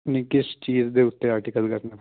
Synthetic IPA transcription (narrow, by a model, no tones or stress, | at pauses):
nĩkɪst͡ʃiːzd̪eːʊt̪ːeaːɾʈikəlkəɾna